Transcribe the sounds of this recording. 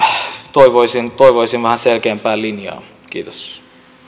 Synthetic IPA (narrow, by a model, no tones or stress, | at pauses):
t̪oiʋoisint̪oiʋoisinʋæhæselkeːmpæːlinjɑ̰ː | k̟ḭːt̪o̥s